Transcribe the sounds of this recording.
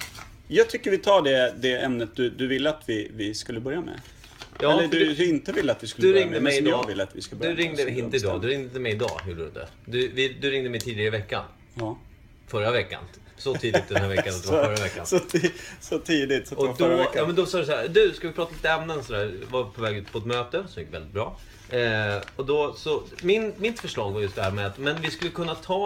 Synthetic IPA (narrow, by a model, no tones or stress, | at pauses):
jɑːɡ̚t̪ʰʏkːəvɪt̪ʰɑːɖɛd̪ɛɛmnət̪̚d̪ɵd̪ɵvɪlːəat̪vɪvɪskɵlːəbœɾjamɛ̰ | ʔɑɛllːəd̪ɵd̪ɪnt̪əvɪlːəat̪vɪskɵd̪bɾɪŋdɛd̪əmɛmd̪jɑːɡvɪlːəat̪vɪ̰skɵləbd̪jɵɾɪŋŋd̪ɪɪnt̪əɪd̪ɑ̰ːd̪ʉɾɪŋd̪əd̪əmɛjɪd̪ɑ̰ːhʉɖd̪ə̰ | d̪ɵvɪd̪ɵɾɪŋd̪əmɛɪjt̪ʰiːd̪ɪɡaəɾɪvɛkːa̰n | ɑ | fœɾːavɛkːa̰n | sɔiːd̪ɪkt̪̚d̪ɛnæːɾvɛkːansat̪̚d̪əvafœɾːavɛkːa̰n | sɔt̪ʰiːd̪ɪt̪sɔd̪ɔɑːmɛnd̪ɔsɑːdəsahæːɾd̪ʉskavɪpʰɾɑːt̪aliːt̪əɛmnənsɔd̪æːɾvapʰɔvɛːɡʉ̟ːt̪pʰɔɛt̪møːt̪əsɔmjɪkːvɛld̪ɪt̪bɾɑː | ɔd̪ɔsɔmɪnmɪt̪fœʂɭɑːɡvajɑskd̪ɦæːɾmɛat̪mɛnvɪskɵlːəkʰɵnːat̪ʰɑː